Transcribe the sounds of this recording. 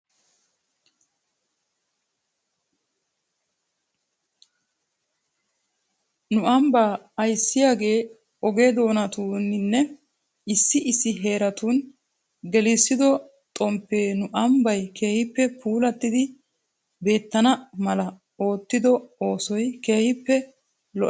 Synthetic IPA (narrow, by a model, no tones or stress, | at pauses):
nʊɐmbaːɐjsːɪjaːɡe̞ː | ɔɡed̪o̞ːnɐt̪uːnnːɛ | ɪsːɪɪsːɪɦe̞ːɾɐt̪uːn | ɡɛlɪsːɪd̪ɔ | t̪ʼɔmpːeːnʊʔɐmbɐjke̞ːhɪpːɛpʰuːlɐt̪ːɪd̪ɪ | be̞ːt̪ːɐnɐmɐlɐ | o̞ːt̪ːɪd̪ɔo̞ːsɔjke̞ːhɪpːɛ | lɔ